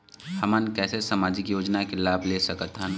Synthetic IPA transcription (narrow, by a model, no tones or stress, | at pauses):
hɐmənkɛːsesɐmaːd͡ʒɪkjoːd͡ʒnakelaːbleːsɐkət̪ɦən